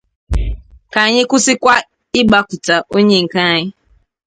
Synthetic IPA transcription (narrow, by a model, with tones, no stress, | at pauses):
ka˨a˨ɲɪ˦kʊ˦sɪ˦kʷa˦ | ɪ˦ɡ͡ba˦kʊ˨ta˨ʔo˦ɲe˦ŋ̩˨ka˦˨ɲɪ˦